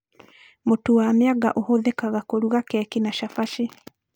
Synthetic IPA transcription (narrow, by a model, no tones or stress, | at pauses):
motuwamjaɣa̰ʔohoðɛkaɣakoɾuɣakɛkinaʃafaʃe